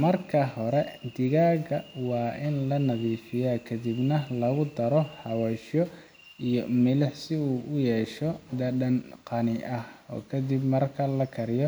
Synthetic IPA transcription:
mɐrkʰɐhɔɾɛd̪ɪɣaːɣɐwɑːʔɪnlɐnɐðiːfɪjaːkʰɐd̪ɪbnɐlɐɣʊd̪ɐɾɔħɑwaʃɔ | ijɔmɪlɪħsɪuːʔʊjɛːʃɔd̪ɐɗɐnqɑnɪʔɐhɔ̰ːkʰɐd̪ibmɐrkʰɐlɐkʰɐɾɪjɔ

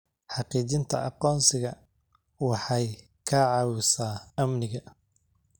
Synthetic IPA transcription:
ħɑqiːt͡ʃɪnt̪ʰɐ̰ʔɑqɔːnsɪɣɐ | wɑħɑj | kʰɐʕɑːwɪsaːɐmnɪɣɐ

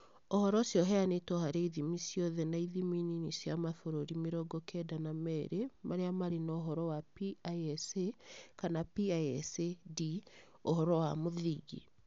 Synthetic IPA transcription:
ohɔɾɔsjɔɦɛanetwɔhaɾeiðimisjɔðɛnaiðimininisjamaθoɾoɾimeɾɔɡɔkɛdanamɛɾemʔaɾeamaɾenaoɦɔɾɔwapiaɛsekanapiaɛsedi | ohɔɾɔwamoðiɡḭ

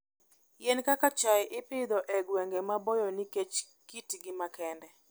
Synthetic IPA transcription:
jenkakat͡ʃajʔɪpɪd̪ɔʔɛɡweŋɡemabɔjɔniket͡ʃ | kitɡɪmakɛndɛ

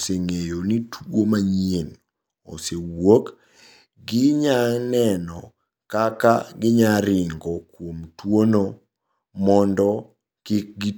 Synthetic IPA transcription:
seŋejonitʰɡomaɲien | o̰sewok | ɡɪɲanɛnɔ | kaka̰ɡɪɲaɾɪŋɡɔkwomtwono | mɔndɔ | kɪk̚ɡi

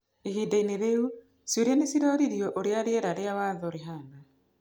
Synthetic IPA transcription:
eɦiːdaineðeu | sjoɾjanesiɾɔɾiɾjɔʔoɾeaɾeɛɾaɾeawaðɔɾeɦana

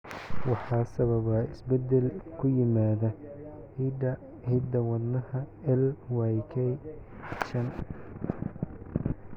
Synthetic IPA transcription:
wɑħɑːsɐβɐβɐɪsbɛd̪ɛlkʰʊjɪmaːðɐ | hid̪ɐ | hid̪ɐwɐd̪nɐhɐɛlwajkʰɛj | t͡ʃɐn

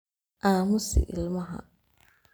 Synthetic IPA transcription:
ʔaːmʊsɪ̰ʔɪ̰lmɐɦa̰

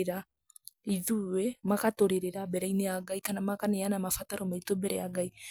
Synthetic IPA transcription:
ɾa | iðuwɛmakatoɾeɾeɾabɛɾainejaɡaikanamakaneanamafataɾɔmaitobɛɾɛjaɡai

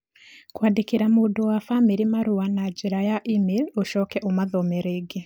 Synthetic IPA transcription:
kwaːdekeɾamoːdowafamiɾimaɾowanad͡ʒeɾajaʔimeloʃɔkɛʔomaðɔmɛɾeːɡe

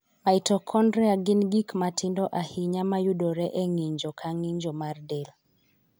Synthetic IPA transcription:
maitɔkʰɔndɾɛaɡɪnɡikmatɪndɔʔahiɲamajudɔɾɛʔeŋiɲd͡ʒɔkʰaŋiɲd͡ʒɔmardɛl

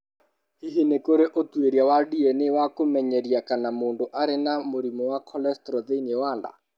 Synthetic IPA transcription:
hiɦinekoɾeʔotweɾjawadiɛnewakomɛɲɛɾiakanamoːndoʔaɾenamoɾimɔwakʰɔlɛstɾɔðeiniɛwaːnda̰

